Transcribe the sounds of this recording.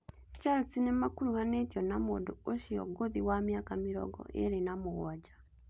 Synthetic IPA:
t͡ʃaɾot͡sinemakuɾuhanetjonamodooʃijoɡoðiwamjaːkamiɾo̰ɡo̰ʔḛɾinamuɣad͡ʒa

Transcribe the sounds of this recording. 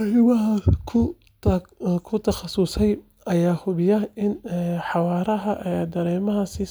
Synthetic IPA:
hɪβɐɦɐkʰʊ | kʰʊt̪ʰɐχɑsʊsɛj | ɐjaːhʊβɪjɐɪnħɑwɑːɾɐɦɐʔɛd̪ɐɾɛːmɐɦɐsɪ

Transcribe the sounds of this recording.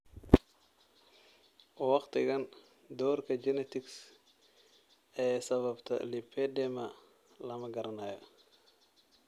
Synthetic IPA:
wɑχt̪ɪɡɐn | d̪ɔːɾkɐd͡ʒɛnɛt̪ɪks | ʔɛːsɐβɐbt̪ʰɐ̰lipʰːɛdɛmɐ | lɐmɐɡɐɾɐnaːjɐ

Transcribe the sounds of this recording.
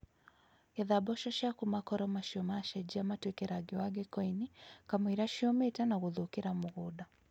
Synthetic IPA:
jaðaɓɔʃɔʃakumakɔɾɔmaʃiɔmaʃɛd͡ʒiamatwɛkɛɾaɡiwaɡɛkɔinikamiɾaʃiɔmɛtanaɣuðukiɾamuɣuɗa

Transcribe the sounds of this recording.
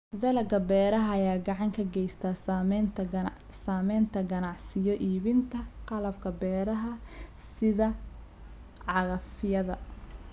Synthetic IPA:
ðɐlɐɡɐbɛːɾɐɦɐːjaːɡɑʕɑŋkʰɐɡɛjst̪ʰaːsamɛ | saːmɛjnt̪ʰɐɡɐnɑʕsɪjɔʔiːβɪnt̪ʰɐqɑlɐbkʰɐbɛːɾɐɦɐsɪðɐ | ʕɑɣɐfɪjɐðɐ

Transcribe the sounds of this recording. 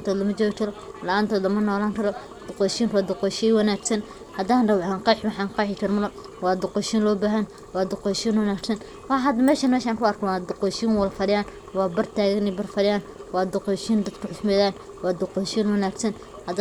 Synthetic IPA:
nt̪ʰɔːd̪lɐmɐt͡ʃɔːɣt͡ʃʰɐɾɔlɐʔaːnt̪ʰɔːd̪lɐmɐnɔːlaːŋkʰɐɾɔ | d̪̥ʊqɔjʃiːnwɑːd̪ʊqɔjʃiwɐnaːɡsɐn | hɐd̪aːndɐwaːŋqɑħwɑħɑnqɑːħɪkʰɐɾmɐlɔ | wɑːd̪ʊqɔʃiːnlɔːbaːɦɐn | wɑːd̪ʊqɔjʃiːnwɐnaːɡsɐn | wɑɐd̪mɛːʃɐnmɛːʃaːŋkʰʊɐrkʰɔwɑːd̪ʊqɔjʃiːnwɐlfɐɾɪjaːn | wɑːbɐrt̪ʰaːɣɐnɛbɐrfɐɾɪjaːnwɑːd̪ʊqɔjʃiːnd̪ɐd̪kʰʊħʊsmɛːðaːn | wɑːd̪ʊqɔjʃiːnwɐnaːɡsɐn | hɐd̪

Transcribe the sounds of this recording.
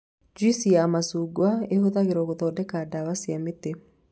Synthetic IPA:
d͡ʒisiaːmasuɡwaehoðaɣeɾɔɣoðɔdɛkadaβasiamet̪ːe

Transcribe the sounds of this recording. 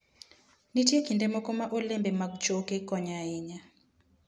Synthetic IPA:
nitiekindɛmɔkɔmaʔolɛmbɛmakd͡ʒokekɔɲaiɲa

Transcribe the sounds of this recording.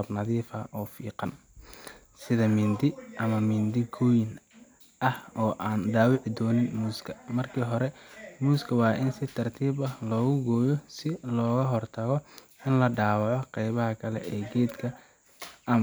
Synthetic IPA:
ɐbnɐðiːfɐ̰ʔɔːfiːqɑn | sɪðɐmɪːnd̪ɪʔɐmɐmɪnd̪ɪɡɔːjɪn | ʔɐhɔːʔaːnɖ̪aːwɪʕd̪ɔːnɪnmuːskʰɐmɐrkʰiːɦɔɾɛmuːskʰɐwɑːʔɪnsɪt̪ʰɐrt̪ʰiːβɐlɔːɣʊɡɔːjɔsɪlɔːɣɐɦɔrt̪ʰɐɣɔ | ɪnlɐɖaːwɑʕɔqɛjβɐɦɐkʰɐlɛ̰ʔɛːɡɛːd̪kʰɐ | ʔɐm

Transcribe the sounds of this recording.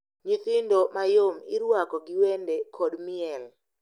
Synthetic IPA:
ɲiθɪndomajomɪɾwakɔɡɪwendekʰɔdmɪɛl

